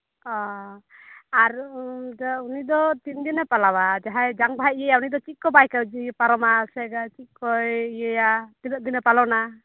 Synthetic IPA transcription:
ɔ | aɾdaunid̪ɔt̪ind̪inapalawad͡ʒaɦajd͡ʒaŋbʱajijəjaunid̪ɔt͡ʃit̪̚kɔbajkad͡ʒipaɾɔmasɛɡat͡ʃikɔjijəjat̪inɔt̪̚d̪inapalɔna

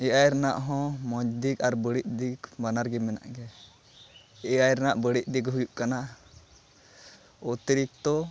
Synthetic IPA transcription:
ɛʔajɾɛna̰ʔɦɔ̃mɔd͡ʒd̪ikaɾbəɽiʔ̚d̪ikbanaɾɡɛmɛna̰ʔɡɛ | ɛajɾɛnaʔbəɽiʔ̚d̪ikɦujuʔkana | ɔt̪iɾik̚t̪ɔ

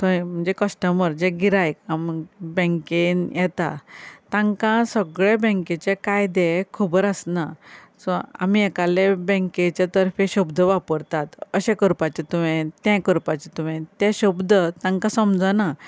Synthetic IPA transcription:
səm̤əɳd͡zekəsʈəməɾd͡ʑẽɡiɾajkambɛ̃ŋkenjɛt̪at̪ãŋkãsəɡɭebɛ̃ŋket͡ɕekajd̪ekʰubəɾəsna | sɔa̰miɛkalebɛ̃ŋket͡ɕet̪əɾfeɕubd̪ʱəʋapəɾt̪at̪əɕẽkəɾpat͡ɕet̪umẽt̪ɛ̃kəɾpat͡ɕet̪umẽt̪ɛ̃ɕubd̪ʱət̪ãŋkãsəmd͡zəna

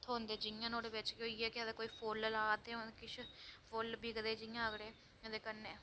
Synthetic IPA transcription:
t̪ʰoːnd̪eːd͡ʒɪjãːnoːɽeːbɪt͡ʃkoːiːɛːkɪəd̪ekoːiːpʰoːləlaːt̪ẽõkɪt͡ʃʰpʰoːlbiːɡd̪eːd͡ʒɪjãəɡɽeː | õd̪eːkənːeː

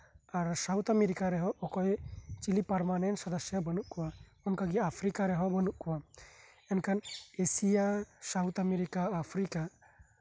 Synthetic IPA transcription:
aɾsawt̪ameɾikaɾɛɦɔʔɔkɔjt͡ʃilipaɾmanɛnsɔd̪əsjabənuʔkɔwa | ɔnkaɡiapʰɾikaɾɛɦɔbənuʔkɔwa | ɛnkʰanesijasawt̪ameɾikaːpʰɾika

